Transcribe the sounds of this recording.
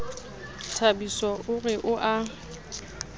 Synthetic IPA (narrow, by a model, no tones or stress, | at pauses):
tʰabisɔʔʊrɪʔʊʔa